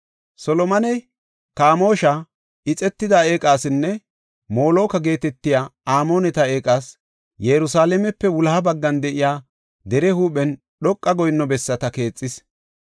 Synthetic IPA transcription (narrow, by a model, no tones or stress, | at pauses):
sɔlɔmɐnɛ | kaːmo̞ːʃa | ɪt͡sʼɛt̪ːɪd̪aeːkʼaːsɪnːɛ | moːlo̞ːkɐɡe̞ːt̪ɛt̪ːɪjaːaːmo̞ːnɛt̪ɐe̞ːkʼaːs | jɛɾʊsaːlɛmɛpːɛwʊlhɐbɐɡːɐnd̪ɛʔɪjaː | d̪ɛɾɛhuːɓɛn | ɗɔkʼːɐɡɔjnːɔbɛsːɐt̪ɐke̞ːt͡sʼːɪs